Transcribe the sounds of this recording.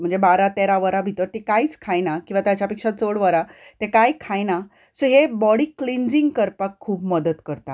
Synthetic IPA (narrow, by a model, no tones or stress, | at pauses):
m̤əɳd͡zebaɾat̪eɾaʋəɾabʱit̪əɾt̪ekait͡skʰajnakĩw̃ʋat̪jat͡ɕjapekʂat͡soɽʋəɾat̪ekajkʰajna | soɦebɔɽiːklind͡ziŋɡkəɾpakʰːuːbməd̪ət̪kəɾt̪a̰